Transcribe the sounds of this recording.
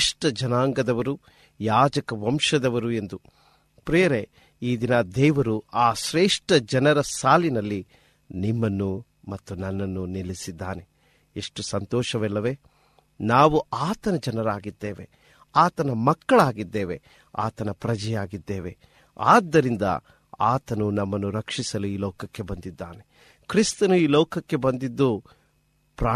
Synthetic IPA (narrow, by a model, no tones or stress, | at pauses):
ʂʈɐd͡ʒɐnaːŋɡɐd̪ɐʋɐɾu | jaːd͡ʒɐkɐʋɐmʂɐd̪ɐʋɐɾue̞nd̪u | pɾeːɐɾe | iːd̪inɐd̪ɛːʋɐɾuaːʃɾeːʂʈɐd͡ʒɐnɐɾɐsaːlinɐlːi | nimːɐnːu | mɐt̪ːunɐnːɐnːunilisid̪ːaːne̞ | eʂʈusɐnt̪ɔːʃɐʋɛlːɐʋeː | naːʋuaːt̪ɐnɐd͡ʒɐnɐɾaːɡid̪ːeːʋe̞ | aːt̪ɐnɐmɐkːɐɭaːɡid̪ːeːʋe̞̰ | a̰ːt̪ɐnɐpɾɐd͡ʒɛjaːɡid̪ːeːʋe̞ | aːd̪ːɐɾind̪ɐ̰ | aːt̪ɐnunɐmːɐnːuɾɐkʂisɐluiːlɔːkɐkːe̞bɐnd̪id̪ːa̰ːne̞ | kɾist̪ɐnuiːlɔːkɐkːe̞bɐnd̪id̪ːu | pɾaː